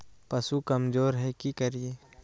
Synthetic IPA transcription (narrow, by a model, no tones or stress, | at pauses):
pɐsukɐmzoːɾɦɛkikɐɾieː